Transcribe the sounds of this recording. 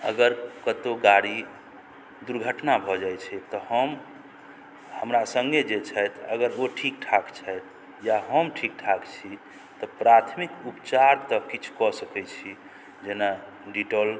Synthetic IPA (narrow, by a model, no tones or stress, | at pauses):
əɡəɾkət̪oɡaɽi | d̪uɾɡʱəʈnabʱɔd͡ʒajt͡ʃʰɛt̪ɔhəm | həmɾasəŋɡed͡ʒet͡ʃʰɛjt̪əɡəɾoʈʰik̚ʈʰakt͡ʃʰɛjt̪̚ | jaɦəmʈʰik̚ʈʰakt͡ʃʰi | t̪ɔpɾat̪ʰmikupt͡ʃaɾt̪əkit͡ʃʰu̥kɔsəkɛt͡ʃʰi | d͡ʒena | ɖiʈəl